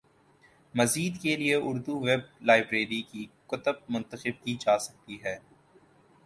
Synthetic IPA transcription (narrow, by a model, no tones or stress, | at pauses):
mɐziːd̪kelieʔʊɾd̪uʋeb̚laːɪbɾeːɾikikʊt̪əb̚mʊ̃nt̪əxəb̚kiːd͡ʒaːsɐk̚t̪iɦɛː